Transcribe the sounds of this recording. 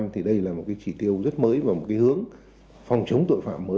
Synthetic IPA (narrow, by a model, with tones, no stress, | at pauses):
mt̪ʰi˨˩ɗə˧jlaː˨˩mo˨˩kaː˨˦jt͡ɕi˧˩t̪i˧əwzə˦˥t̚məː˨˦jvaː˨˩mo˨˩t̚kaː˨˦jhɨ˨˦əŋ | fɔ˨˩wŋ͡mt͡ɕə˨˦wŋ͡mt̪o̰˧˨jfa̰ː˧˨mːəː˨˦